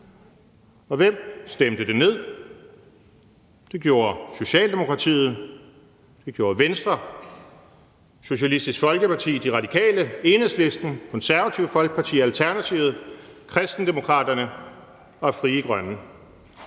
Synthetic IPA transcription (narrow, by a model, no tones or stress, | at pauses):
ɒ̽ʋem̰sd̥emd̥əd̥e̝ne̝ð̰ˠ | d̥e̝ɡ̥jo̝ːɐso̝ɕɛ̰ːld̥e̝mo̝kʰʁɑ̈t͡sʰḭːð̩ˠ | d̥e̝ɡ̥jo̝ːɐʋensd̥ʁɐ | so̝ɕælisd̥isɡ̥fɒ̽lɡ̥əpʰɑ̈t͡sʰḭːd̥iʁɑ̈d̥ikʰɛ̰ːləe̝ːnəsle̝sd̥n̩kʰɒ̽nsæɐʋæt͡sʰiʊəfɒ̽lɡ̥̚pʰɑ̈t͡sʰḭːælt͡sʰæɐnæt͡sʰiʊð̩ˠkʰʁɛsd̥n̩d̥e̝mo̝kʰʁɑ̰̈ːd̥ɐnə | ɒ̽fʁiːəɡ̥ʁɶnə